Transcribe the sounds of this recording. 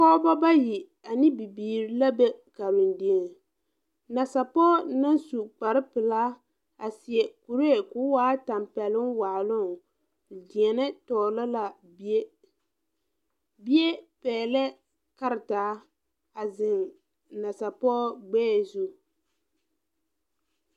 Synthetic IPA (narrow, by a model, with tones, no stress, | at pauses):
kɔ˦ba˦ba˦ji˨ | a˨nɪ˦bi˨biː˨ɾi˨la˦bɛ˦ka˨ɾu˨ndi˨ɛ˨ | na˨sa˨pɔː˦na˦nsu˨k͡pa˨ɾɪ˦pɨ˨laː˦ | a˨sɪ˨ɛ˨ku˨ɾe˦˨kʊː˦waː˦ta˨mpɛ˨lɪ˦nwaː˨lʊ˦˨ | di˨ɛ˨nɛ˦tɔː˨lɔ˦la˨˦ | bi˦e˦pɛː˨lɛ˦ | ka˦ɾɪ˨taː˨˦ | a˨zɪ˨ŋ | na˨sa˨pɔː˦ɡ͡bɛː˦˨zu˦